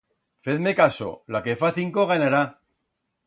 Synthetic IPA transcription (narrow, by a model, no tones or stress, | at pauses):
feðmekaso̰lake̞faθiŋkoɣ̞anaɾa